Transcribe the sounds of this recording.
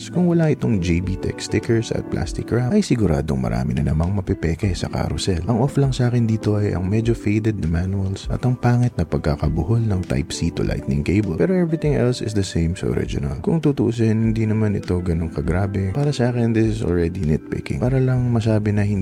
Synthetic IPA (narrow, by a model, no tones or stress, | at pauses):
skʊŋwɐlaʔɪt̪oŋd͡ʒejbit̪ɛ̰kst̪ɪkɛɹsɐ̰t̪̚plʔa̰st̪ɪkːɹaʔɐjsɪɡʊɾa̰ːd̪oŋmɐ̰ɾʔa̰ːmɪnɐnɐmɐŋmɐpɛpɛːkɛsɐ̰ka̰ɾʊsɛlʔɐŋʔoflɐŋsʔaːkɪnd̪iːt̪o̞ʔɐjʔɐ̰ŋmɛd͡ʒofejd̪ɛd̪̚nɐmanuɐlsʔɐ̰t̪ɐŋpaːŋɪt̪̚nɐpɐɡ̚kakɐbʊholnɐŋt̪a̰jpsiːt̪olʔa̰jt̪̚nɪ̰ŋkejbɐpɛːɾoʔɛvɹɪt̪ɪ̃ŋɛlsɪsd̪ɐsẽjmsɐ̰ʔo̰ɾɪ̰d͡ʒʊ̰nɐ̰lkʊŋt̪ut̪uʔs̬ɛhnhɪnd̪inɐmanʔɪ̰t̪o̞ɡɐno̞ŋkɐɡɾaːbɛpaːɾɐsɐʔaːkɛnd̪ɪsɪsʔo̰lɹɛd̪inɛt̪̚pɪ̰kɪ̰̃ŋpaːɾɐlɐŋmɐsaːbɪnɐhɪn